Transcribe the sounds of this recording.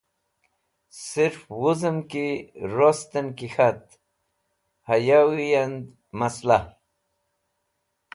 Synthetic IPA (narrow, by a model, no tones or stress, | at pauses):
siɾfwuzəmkiɾost̪ənkixat̪̚ | hajawijand̪ | masla